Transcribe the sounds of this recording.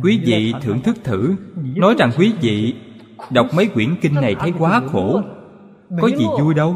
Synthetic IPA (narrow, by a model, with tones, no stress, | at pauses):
kwi˨˦vḭ˧˨t̪ʰɨ˧˩əŋt̪ʰɨ˦˥k̚t̪ʰɨ˧˩nɔ˨˦jza˨˩ŋkwi˨˦vḭ˧˨ | ɗə˨˩wk͡p̚mə˨˦jkwi˧˩ənki˧nːa˨˩jt̪ʰə˨˦jkwaː˨˦xo˧˩ | kɔ˨˦zḭ˨˩zu˧jɗə˧w